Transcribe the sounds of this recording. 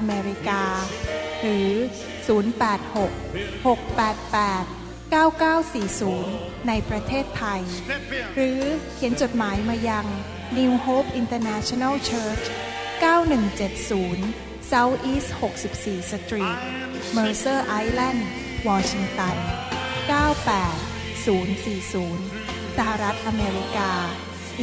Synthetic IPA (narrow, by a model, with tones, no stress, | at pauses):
ʔʔa˧meː˧ɾi˧˥kaː˧ɾɯː˩˦ | suː˩˦npɛː˨˩t̪̚ho˨˩k̚ho˨˩k̚pɛː˨˩t̪̚pɛː˨˩t̪̚ | kaː˥˩wkaː˥˩wsiː˨˩suː˩˦nː | a˧jpɾa˧t̪ʰeː˥˩t̪ʰa˧jɾɯː˩˦kʰi˩˦ənt͡ɕo˨˩t̪̚maː˩˦jmaː˧ja˧ŋ | niː˧whoː˦˥p̚ʔi˧nt̪ɤː˧nɛ˦˥t͡ɕʰo˧na˥˩wt͡ɕʰɤː˥˩t͡ɕ | kaː˥˩wnɯ˨˩ŋt͡ɕe˨˩t̪̚suː˩˦n | sa˦˥wʔiː˦˥sho˨˩k̚si˨˩p̚siː˨˩sa˧t̪ɾiː˨˩t̪̚ | mɤː˧sɤː˥˩ʔa˦˥jlɛ˥˩n | wɔː˧t͡ɕʰi˧ŋt̪a˧nkaː˥˩wpɛː˨˩t̪̚ | suː˩˦nsiː˨˩suː˩˦n | sa˧˩ha˨˩ɾa˦˥t̪̚ʔa˧meː˧ɾi˦˥kaː˧